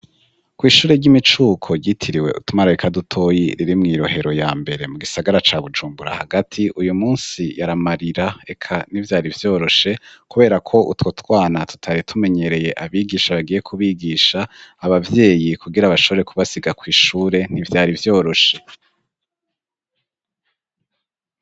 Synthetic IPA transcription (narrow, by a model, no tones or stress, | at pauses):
kwiːʃuːɾe̞ɾɟimit͡ʃuːkʰo̞ɟitʰiɾiwe̞̰ʔṵtumaɾaikadutʰo̞jiɾiɾimŋiːɾo̞he̞ɾo̞jaːmbe̞ɾe̞muɡisaɡaɾat͡ʃaːβud͡ʒuːmbuɾa̰haɡatʰiʔujumuːnsijaɾamaɾiɾae̞kʰanivjaːɾivjo̞ːɾo̞ʃe̞kuβe̞ːɾakʰo̞ʔutwo̞twaːnatu̥tʰaɾitʰume̞ɲe̞ɾe̞je̞ʔaβiɡiːʃaβaɡije̞kʰuβiːɡiːʃaːβavje̞ːjikuɡiɾaβaʃoβo̞ɾe̞kʰuβasiɡakwiːʃuːɾe̞n̥ivjaːɾivjo̞ːɾo̞ʃe